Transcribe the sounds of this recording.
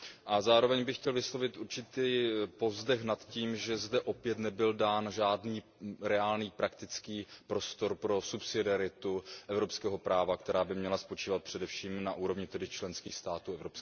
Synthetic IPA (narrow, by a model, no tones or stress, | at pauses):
ʔazaːɾo̞vɛɲbɪxcɛlvɪslo̞vɪt̪ʔuɾt͡ʃɪt̪iːpo̞vzdɛxnat̪ciːmʒɛzdɛʔo̞pjɛt̪nɛbɪldaːnʒaːdniː | ɾɛaːlniːpɾakt̪ɪt͡skiːpɾo̞st̪o̞ɾpɾo̞supsɪdɪaɾɪt̪uʔɛvɾo̞pskɛːɦo̞pɾaːvakt̪ɛɾaːbɪmɲɛlaspo̞t͡ʃiːvat̪̚pr̥ɛdɛfʃiːmnaʔuːɾo̞vɲɪt̪ɛdɪt͡ʃlɛnskiːxst̪aːt̪uːɛvɾops